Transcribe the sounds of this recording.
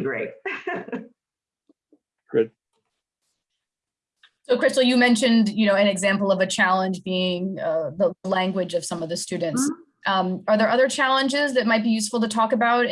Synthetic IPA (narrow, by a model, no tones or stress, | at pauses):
ɡɹeɪt̚ | ɡ̥ʊd̚ | soʊkʰɹ̥ɪstl̩ˠjɨmɛ̃nʃɨ̃ndjɨñoʊɨ̃nɨɡzæ̃mpl̩ˠʌvɨt͡ʃʰælˠə̃nd͡ʒbiɪ̃ŋʌðəəlæ̃ŋɡwɨd͡ʒʌv̥sʌ̃mʌvðɨstʉdⁿn̩ts | ʔʌ̃mə˞ðə˞ʔʌðə˞t͡ʃʰælˠə̃nd͡ʒɪzðɨt̚maɪt̚b̥ijʉsfl̩ˠtɨtʰɔkɨbaʊɾ